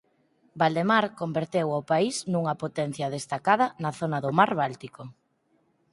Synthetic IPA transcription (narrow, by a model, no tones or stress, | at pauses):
bald̪emaɾkombeɾt̪ewawpaiznuŋɐpot̪ɛn̟θjɐðest̪akað̞ɐnɐθonɐðʊmaɾβalt̪iko